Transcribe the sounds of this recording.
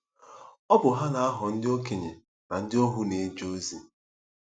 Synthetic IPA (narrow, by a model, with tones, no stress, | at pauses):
ɔ˦bʊ˨ɦa˦na˨a˦ɦɔ˨n̩˦dɪ˦o˦ke˨ɲḛ˨ | na˨n̩˦dɪ˦o˦ɦʊ˦ne˨˦d͡ʒo˦zi˨